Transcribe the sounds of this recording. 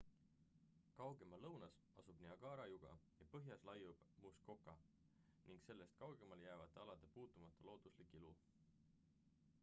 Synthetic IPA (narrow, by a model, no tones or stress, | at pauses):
kɑwɡe̞mɑlɤwnɑs | ɑsub̥niɑɡ̥ɑːɾɑjuɡ̥ɑ̰jɑpɤɦjɑslɑjːub̥musko̞kːˑɑ | niŋɡse̞lːe̞st̪̚kɑwɡ̥e̞mɑljæːvɑt̪ːˑeɑlɑt̪ːˑepuːt̪ːˑumɑt̪ˑːɑlo̞ːd̪̥uslikːˑilu